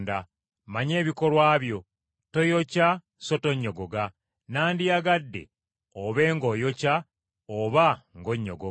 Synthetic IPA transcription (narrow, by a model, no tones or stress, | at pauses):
nda | maɲe̞ːβiko̞lwaːβjo̞ | to̞joca | so̞to̞ɲːo̞ɡoɡa | naːndijaɡadːe̞̰ | oβe̞ːŋɡo̞jo̞ca | oβaŋɡo̞ɲːo̰ɡo